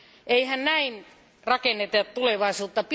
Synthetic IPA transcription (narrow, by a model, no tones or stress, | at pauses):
ʔeihænnæin | rɑkenːet̪et̪t̪uleʋɑisuːt̪ːɑp